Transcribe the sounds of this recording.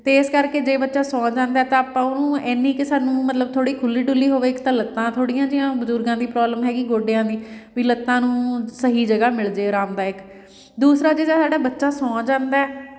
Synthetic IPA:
t̪eːɪskəɾkeːd͡ʒeːbətːʃaːsɔ̃ːd͡ʒãːnd̪aɛːt̪ãːaːpãːʊnũːɛːnːiːkɪsaːnũːmət̪ləb̚t̪ʰoːɽiːkʰʊlːiːɖʊlːiːɦoːʋeːɪkt̪ãːlət̪ːãːt̪ʰoːɽijãːd͡ʒɪjãːbʊzʊɾɡãːd̪iːpɾɔːbləmɦɛːɡiɡoːɖejãːd̪iːʋiːlət̪ːãːnũːsəɦiːd͡ʒəɡaːmɪld͡ʒeːɾaːmd̪aːɪk | d̪uːsɾaːd͡ʒeːd͡ʒaːsaːɖaːbətːʃaːsɔ̃ːd͡ʒãːnd̪aːɛː

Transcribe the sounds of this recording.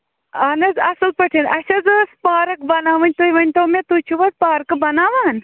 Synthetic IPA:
ɐnɐzɐsɐlpɐʈʰinɐsɐzɨspaːɾɐk̚bɐnaːʋɐnʲt̪ujʋɐnʲt̪oːmet̪ut͡ʃʰuʋɐd̪̚paːɾkɨbɐnaːʋaːn

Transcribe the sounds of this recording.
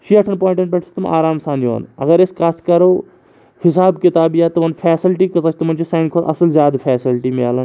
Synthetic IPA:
ʃiɐʈʰɐnpoːɪ̃ɳʈeɳʈ̚peʈʰst̪ɐma̰ːɾaːmsaːnjo̰ːnɐ̰ɡɐɾeskɐt̪ʰkɐɾoː | hɪsaːbkɪt̪aːbjaːt̪ɐmɐnpʰeːsilʈikɐsɐt͡ʃʰt̪ɐmɐnt͡ʃʰisaːnkʰoːlʔɐ̰sɐlzjaːd̪pʰɛːsilʈimia̰ːlɐn

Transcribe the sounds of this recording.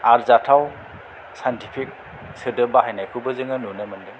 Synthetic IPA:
aɾzatʰaw | sajntipʰik̚ | sɯdɯbaɦajnajkʰɯbɯzɯŋɯnunɯmɯndɯŋ

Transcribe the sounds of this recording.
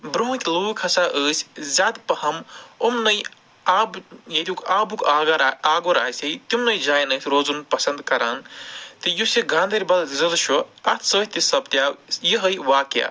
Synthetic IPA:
bɾoɦkʲlokʰɐsaʔəːsʰʲzʲaːd̪pɐhɐmomnɐj | aːbjɐt̪ʰʲukaːbukaːɡaɾaaːɡoɾaːɦsɐjt̪imnɐjd͡ʒaːjnɐːt̪ʰɾoːzunpɐsɐnd̪kɐɾaːnt̪ɨjuseɡãːnd̪eɾʲbɐlzɐd̪ʃʰoɐt̪ʰsəːt̪isɐbt̪jajiɦəjʋaːkja̰

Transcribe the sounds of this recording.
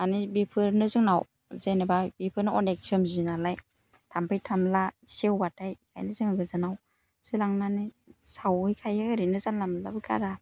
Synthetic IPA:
anibipʰɯɾnɯzɯŋnaw | zenebajbipʰɯɾnɯɔneksɔmzinalaj | tʰampʰajtʰamlasewbatajkʰa̰jnɯzɯŋaɡɯzɯnaw | sɯlaŋnani | sawɯjkʰajaɡaɾinɯzanlamlabɯkʰa̰ɾa

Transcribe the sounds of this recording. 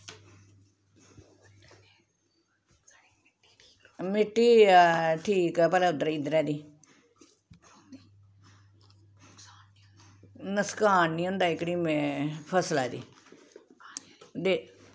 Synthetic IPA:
mɪʈːiːʈʰiːkɛːpɛːlaʊd̪əɾiːd̪əɾɛːd̪iː | nəskaːnːiːõnd̪aːɪkɽiːmepʰəslaːd̪ḭː | d̪eː

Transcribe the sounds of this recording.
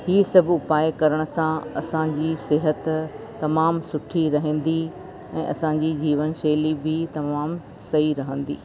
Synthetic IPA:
hiːsɐbʱʊpaːekɐɾəɽ̃ʊ̆sãɐsãd͡ʑiːsɪɦət̪ | t̪ɐmaːmsʊʈʰiɾɐɦə̃ːn̆d̪i | ɛ̃ːʔɐsãɲd͡ʑid͡ʑiːʋənʃeːlibɪt̪ɐmaːm | sɐiɾɐɦə̃nd̪ḭː

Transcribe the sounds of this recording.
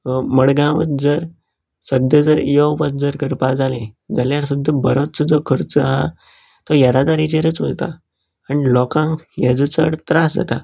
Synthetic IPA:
məɽɡãʋət̪̚d͡zəɾ | səd̪ʱəd͡zəɾijɔwpət̪̚d͡zəɾkəɾpad͡zalẽd͡zaljaɾsud̪ʱːəbəɾott͡səd͡zɔkʰəɾt͡səaɦa | t̪ɔjəɾad̪aɾit͡ɕeɾət͡sʋolt̪a̰ | aɳilɔkãŋjəd͡zt͡səɽt̪ɾasd͡za̰t̪a

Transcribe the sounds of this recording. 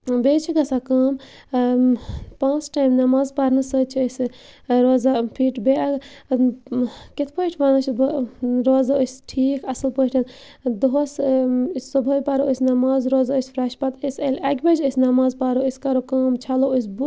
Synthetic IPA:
beːt͡ʃʰiɡɐsakaːm | pãːnt͡sʈaːjmnɐmaːzpɐɾnɨsət͡ʃʰiəsɾoːzapʰiːʈbeaɡ | kit̪ʰpəʈʰbaːnɐt͡ʃʰbɾoːzaəsʲʈʰiːkɐsɨlpəʈʰɐn | d̪oɦosssobʱəjpaɾoəsʲnɐmaːzɾoːzaəsʲfʰɾɐʃpɐt̪əsʲɐlʲɐɡʲbɐt͡ʃʰəsʲnɐmaːzpaɾoəsʲkɐɾokaːmt͡ʃʰaloəs̬bu

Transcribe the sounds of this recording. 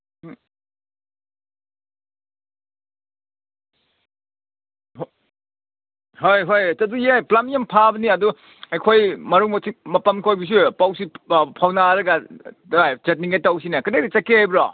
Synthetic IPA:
hojɦojt͡ʃɐdujejplamjampʰabɐniɐdu | ɐjkʰojmɐɾuŋmɐsʰimɐpɐmkʰojbis̬upawsipʰawnaɾɐɡa | ajd͡ʒet̚niŋetaws̬inakɯdedit͡ʃakejbɾɔ

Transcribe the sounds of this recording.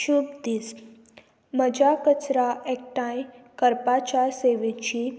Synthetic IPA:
ʃubd̪is | məd͡ʑʱakət͡sɾaʔek̚ʈãjkəɾpat͡ɕaɾseʋet͡ɕi

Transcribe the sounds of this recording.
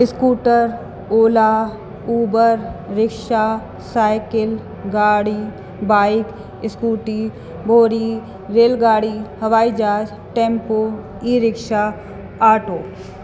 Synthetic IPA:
ɪskuːʈəɾ | oːla | uːbəɾɾɪkʃa | saːɪkɪl | ɡaːɽi | baːɪk | ɪskuːʈi | bʱoːɾi | ɾeːlɡaːɽihɐʋaːid͡ʒaːd͡ʒ | ʈẽːmpoː | iɾɪkʃa | aːɾʈoː

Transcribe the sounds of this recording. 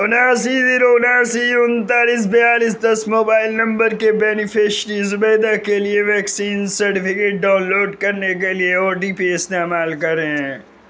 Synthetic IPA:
ʊnaːs̬id̪ɪnoʊnaːsiʊnt̪aːliːs̬bɐjaːlisd̪ɐsmoːbaːɪlnɐ̃mbəɾkebɛːnɪpʰeʃʈizʊbeːd̪akelieʋɛːksiːnsɐɾʈɪpʰɪkeːʈ̚ɖaːʊnloːɖkɐɾnek̬elieɔːɾʈiːpiːɪst̪eːmaːlkɐɾeɦɛ̃ː

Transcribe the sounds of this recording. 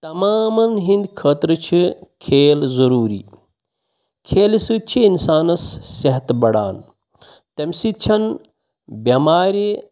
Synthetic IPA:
t̪ɐmaːmɐnɦĩnd̪kʰɐːt̪ɾɨt͡ʃʰikʰeːlzɐɾuːɾiː | kʰeːlisɨd̪̚t͡ʃʰiinsaːnɐsːɐɦɐt̪bɐɽa̰ːn | t̪ɐmʲsit̪̚t͡ʃʰɐn | bʲɐmaːɾi

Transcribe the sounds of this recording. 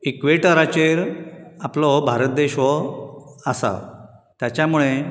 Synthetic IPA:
ikʋeʈəɾat͡ɕeɾaplɔbʱaɾət̪̚d̪eɕʋɔ | asa̰ | t̪jat͡ɕjamuɭe

